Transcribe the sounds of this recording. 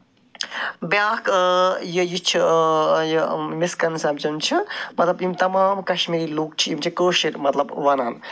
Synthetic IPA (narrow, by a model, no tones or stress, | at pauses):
bjaːkjəjit͡ʃʰijəmiskɐnsɐbt͡ʃimt͡ʃʰimɐt̪lɐbimt̪ɐmaːmkɐʃmiɾiluːk̚t͡ʃʰiimt͡ʃʰikoːʃiɾmɐt̪lɐbʋɐnaːn